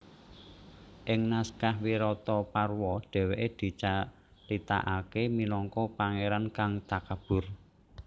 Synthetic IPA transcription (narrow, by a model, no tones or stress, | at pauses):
ʔɪŋnaskahwiɾɔt̪ɔparwɔɖ̪̥ɛ̤weʔed̪̥i̤t͡ʃa | lit̪a̰ʔakemilɔŋkɔpaŋeɾankaŋt̪akab̥ʊ̤r